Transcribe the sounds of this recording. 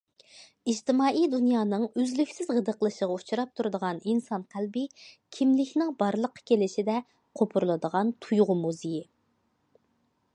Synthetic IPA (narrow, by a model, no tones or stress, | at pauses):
id͡ʒt̪ʰɪmɑːʔijd̪unjɑːnɨŋøzlykʲsɪzʁəd̪əqlˠɨʃəʁɑut͡ʃʰuɾɑp̚t̪ʰuɾɨd̪əʁɑninsɑnqʰælbɪkʲʰimlɪkʲʰnɪŋbɑɾlˠəqʰːɑ̥kʲelɪʃɪd̪ɛ | qʰopʰuɾlˠɨd̪əʁɑnt̪ʰujʁʊmuzɪji